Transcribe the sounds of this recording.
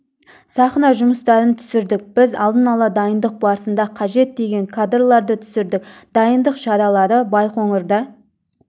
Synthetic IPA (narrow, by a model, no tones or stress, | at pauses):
sɑχnɑʒʊməst̪ɑɾənt̪ʰʏ̥sɪɾd̪ɪk̚b̥ɪzɑlˠd̪ənɑlˠɑd̪ɑjənd̪əq̚bɑɾəsənd̪ɑqʰɑʒe̞t̪̚d̪e̞ɡʲe̞ŋkʰad̪rlˠɑɾd̪ət̪ʰʏ̥sɪɾd̪ɪkd̪̥ɑjənd̪əqʒɑɾɑlˠɑɾəbɑjqoɴəɾd̪ɑ